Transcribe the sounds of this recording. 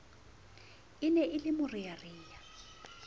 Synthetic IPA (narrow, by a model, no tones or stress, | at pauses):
ɪnɛʔɪlɪmʊrijariːja